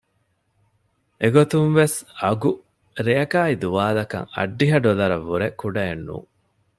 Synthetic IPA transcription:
ʔeɡot̪unʋesɐɡu | ɾeɐkaːid̪uʋaːlɐkɐ̰ŋɐ̰ɖːiɦɐɖolɐɾɐʋːuɾekuɖɐenːṵː

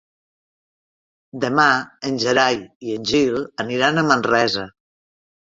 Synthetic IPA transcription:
d̪əmaənʲʒəɾajiənʲʒilˠəniɾanəmənrɛzə

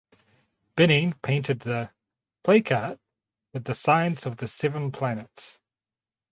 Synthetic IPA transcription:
b̥ɪnĩŋpʰẽɪ̃ntʰɨd̪̚ðə | pʰl̥eɪkʰɑˑt̚ | wɨðəsãɪə̃nsəvðɨsɛvə̃npʰl̥ænəts

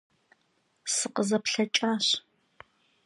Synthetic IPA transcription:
sɨqəzɐpɬɐt͡ʃʼaːɕ

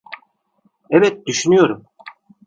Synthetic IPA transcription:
ɛvɛt̪̚d̪yʃynyjo̞ɾum

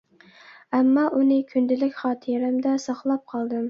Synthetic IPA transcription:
ɛmːɑʔunɨkʲʰynd̪ɪlɪkʲχɑːt̪ʰɨɾɪmd̪ɛsɑχlˠɑp̚qʰɑlˠd̪ɨm

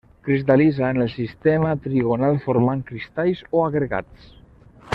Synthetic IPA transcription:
kɾist̪alizaːnəlˠsist̪emət̪ɾiɣonalˠfoɾmaŋkɾist̪ajzoaɣɾəɣa̰t͡s

